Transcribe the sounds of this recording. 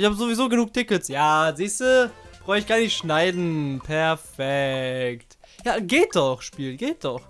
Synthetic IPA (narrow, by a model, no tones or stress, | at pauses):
ʔɪçhaːbəzovizoːɡənuːk̚tʰɪkəsjaːziːstəb̥ʁɔʏɪçɡ̥aɐnɪçʃnaɪdn̩pʰɛɐfɛktjaːɡeːt̚d̥ɔχʃpiːlɡeːt̚d̥ɔχ